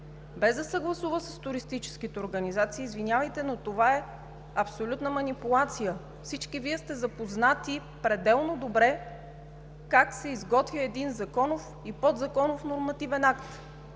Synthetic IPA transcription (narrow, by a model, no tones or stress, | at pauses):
bɛzd̪ɐsəɡlˠɐsuvəsəst̪uɾist̪it͡ʃɛ̥sk̟it̪ɛoɾɡənizat̪siːzvinʲjavəjt̪ɛnot̪ovaɛ | ɐpsolʲut̪nəmɐnipulˠat̪sijə | fsit͡ʃkiviɛst̪ɛzɐpoznat̪i | pɾɛd̪ɛlˠnod̪obɾɛ | kaksɛizɡɔt̪vʲiəɛd̪inzɐkɔnof | ipod̪zɐkɔnofnoɾmɐt̪ivɛnakt̪